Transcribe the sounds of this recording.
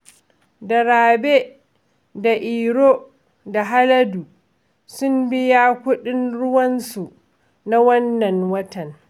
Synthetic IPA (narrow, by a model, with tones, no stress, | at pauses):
dɐ˨ɽaː˨be˦ | da˨ʔiː˨ɽoː˦ | da˨ɦa˦lɐ˦du˨ | sʊ˦mbɪ˦ja˦kʷʊ˦ɗɪ˦nɽʊ˦wɐ˦nsu˨ | na˦wɐ˦nːɐ˨nwɐ˦tɐ˨n